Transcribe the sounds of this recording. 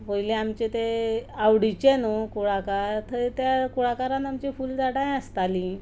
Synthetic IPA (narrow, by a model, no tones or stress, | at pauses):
pəjleamt͡ɕet̪eawɽit͡ɕenukuɽakaɾt̪ʰəɾt̪jakuɽakaɾãnamt͡ɕifuːld͡zaɽãjəst̪ali